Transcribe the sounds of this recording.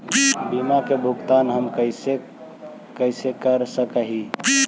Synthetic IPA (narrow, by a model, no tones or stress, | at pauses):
bimakebʱukt̪anɦəmkəse | kəɪsekəɾsəkəɦi